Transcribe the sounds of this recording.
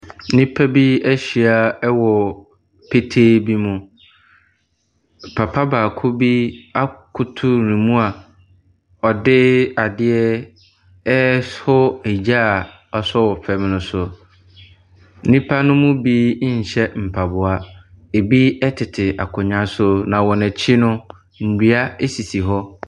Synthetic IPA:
nĩ˦pʰa˦bi˦æ˦ɕi˨a˨ɛ˦wɔ˨ | pʰe˦tʰeː˦bi˦mũ˦ | pʰa˨pʰa˦baː˨kʰʊ˦bi˦a˦kʰʊ˦tʰʊ˦nĩ˨mũ˦a˨ | ɔ˨dɪ˦a˨dɪ˦ɛ˦ | ɛ˦hʊ˦e˨d͡ʑa˦˨ | ɔ˨sɔ˦wɔ˨pʰɛ˨m˨nʊ̃˨sʊ˨˦ | nĩ˦pʰa˦nʊ̃˦mʊ̃˦biː˦ɲ̩˨ɕɛ˦m̩˨pʰa˨bʊ˨a˦e˨bi˦ɛ˦tʰɪ˨tʰɪ˨a̰˨kʰʊ̃˨ɲã˦sʊ˦nã˨wɔ˨nɛ̃˨t͡ɕʰɪ˦nʊ̃˦ | n̩˨di˨a˦e˦si˨si˨ɦɔ˦

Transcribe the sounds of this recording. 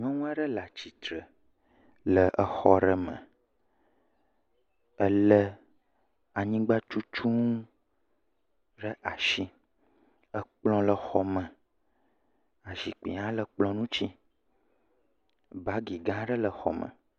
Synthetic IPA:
ɲ˦ɔ̃˦ŋũ˦a˦ɖə˦la˨t͡ɕi˨t̪ɾə˨ | lə˨ʔə˨xɔ˨ɖə˨mə̰̃˨ | ə˨lə˦ | a˨ɲĩ˦ɡ͡ba˦t͡ʃu˦t͡ʃu˦ŋ˦ | ɖə˦ʔa˨ʃi˦ | ə˨k͡plɔ̃˦lə˨xɔ˨mə̃˨ | a˨ʒi˨k͡pḭ˨ã˦lə˨k͡plɔ̃˦nũ˦t͡ɕi˦ | ba˦ɡi˨ɡã˦ɖə˦lə˨xɔ̰˨mə̰̃˨

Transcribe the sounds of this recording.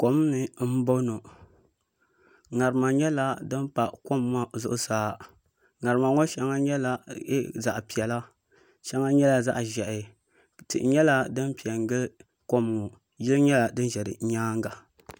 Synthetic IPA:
ko˨m˦nɨ˨m̩˦bo˦no˨ | ŋa˨ɾɨ˨ma˨ɲɛ˦la˦dɨ˦n˦pa˨ko˦mma˦˨zʊ˦ʔʊ˦saː˦ | ŋa˨ɾɨ˨ma˨ŋɔ˦ʃɛ˦ŋa˦ɲɛ˦la˦za˨ʔpi˨ɛ˨la˦ | ʃɛ˦ŋa˦ɲɛ˦la˨za̰˦ʔʒɛ˨ʔɪ˨ | tɨ̰˨ʔɲɛ˦la˦dɨ˦npi˨ɛ˨ŋ˦ɡɨ˦ | ko˦m˨ŋo˨ | jɪ˦lɨ˦ɲɛ˦la˨dɨ˦n˦ʒɛ˨ɾɨ̰˨ɲaː˦ŋɡa˨

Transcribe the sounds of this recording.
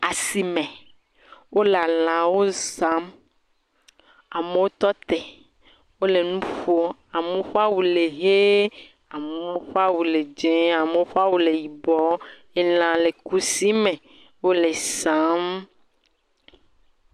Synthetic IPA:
a˨si˨mẽ˨ | wʔo˦la˨l̃ã˨wo˦zã˨˦m | a˨me˦wo˦t̪ɔ˦t̪ɛ˨ | wo˦le˨nũ˦ɸo˦a˨mẽ˦ɸu˦a˦wu˨le˨ɦe˦ | a˨me˨˦o˦ɸa˦wu˨le˨d͡ʒẽ˦a˨me˨˦wo˦ɸa˦wu˨le˨ji˨bɔ˦ | e˦l̃ã˨le˨ku˦si˦mẽ˨ | wo˦le˨sã˦m

